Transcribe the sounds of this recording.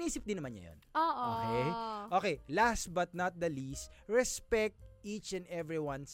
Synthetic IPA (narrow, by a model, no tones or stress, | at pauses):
niːsɪp̚d̪ɪ̃nːɐmanɲɐ̰jo̰nʔoːʔoːkɛjʔoːkɛjlas̚bɐt̪̚nɐt̪̚d̪ɐlist̪ɹɛspɛk̚t̪̚it͡ʃɛ̃nd̪ɛvɹiwɐ̃ns